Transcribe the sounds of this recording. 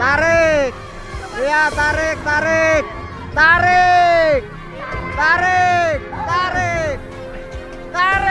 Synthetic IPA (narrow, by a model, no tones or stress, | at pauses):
t̪aɾek̚ | jat̪aɾɪk̚t̪aɾek̚ | t̪aɾek̚ | t̪aɾek̚t̪aɾek̚ | t̪aɾ